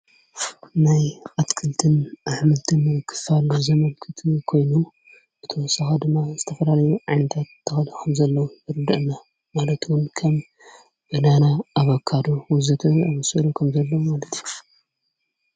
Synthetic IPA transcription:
najʔat̪kʰɨlt̪ʰɨnʔaħmɨlt̪ʰɨnkʰːɨ̥falzɐmɐlkʰɨt̪ʰikʰo̞jnu | ʔɨt̪ʰosɐxad̪ɨmːazɨt̪ʰɐfɐlalɐjuʕajnɐt̪ʰat̪ːɨxɐlkʰɐmzɐlːɐwubɨɾɨd̪ɐʔɨnːa | malɐt̪wʊnkʰɐm | bɨnanaaβɐkʰːad̪owɔzɐt̪ʰɐaβɐsɐlukʰɐmzɐlːɐwmalɐt̪ju

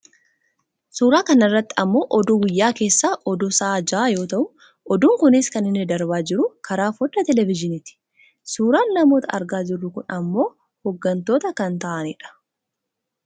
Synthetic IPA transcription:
suːɾaːkɐnɪrːɐt̪ːɪɐmːo̞ːʔɔd̪uwɪjːaːke̞ːsːaːʔɔd̪ʊsaaːd͡ʒaːjo̞ːt̪ɐʔʊ | ʔɔd̪uːŋkʊnɪskɐnɪnːɪd̪ɐɾbaːd͡ʒɪɾʊkʰɐɾaːfɔd̪ːɐt̪ɛlɛvɪd͡ʒɪnɪt̪ɪ̥ | suːɾaːnːɐmo̞ːt̪ɐʔɐɾɡaːd͡ʒɪrːʊkʊnɐmːo̞ː | hɔɡːɐnt̪o̞ːt̪ɐkɐnt̪ɐʔɐnɪᶑɐ̥

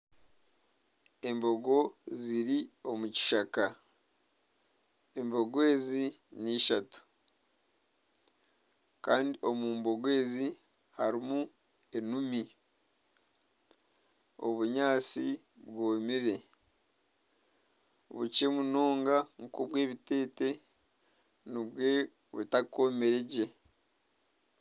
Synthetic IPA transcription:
e̞mbo̞ɡo̞ziɾio̞muci̥ʃaka | e̞mbo̞ɡwe̞ːziniʃatu̥ | kaːndio̞muːmbo̞ɡwe̞ːzi | haɾimu | e̞numi | o̞̰βuɲaːt͡si | βɡoːmiɾe̞ | βuce̞munoːŋɡaŋukoβweːβite̞ːte̞ | niβwe̞ | βṵtako̞meɾe̞ɟe

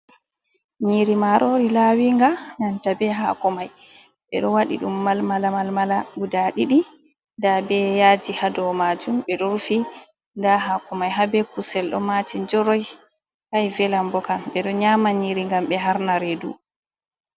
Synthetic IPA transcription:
ɲiɾimaɾʔoɾilawiŋɡanantabɛɦa̰kɔmaj | ɓɛ̰ɗɔwaɗḭɗumːalmalamalmalaɡudaɗiɗi | ndabɛjad͡ʒihadɔmad͡ʒumɓɛɗɔɾfi | ndaɦakɔmajɦabɛkusɛlɗɔ̰mat͡ʃind͡ʒɔɾɔj | kajvɛlambɔkamɓɛɗɔɲamaɲiɾiŋɡamɓɛɦaɾnaɾedṵ

